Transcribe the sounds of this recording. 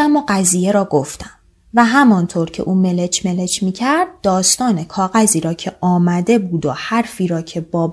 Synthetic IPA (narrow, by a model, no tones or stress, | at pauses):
æmoːɢæziːje̞ɾɒːɡoft̪æm | væɦæmɒnt̪ʰoɾcʰe̞ʔuːme̞let͡ʃʰme̞le̞t͡ʃʰmiːcʰæɾd̪̚ːɒːst̪ɒːne̞kʰɒːɣæziːɾɒːcʰe̞ʔɒːmæd̪e̞buːd̪ohæɾfiːɾɒːcʰe̞bɒː